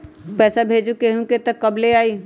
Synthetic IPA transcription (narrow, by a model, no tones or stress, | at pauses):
pɛːsabʱeːd͡ʒukeɦũket̪əkːəbleaːi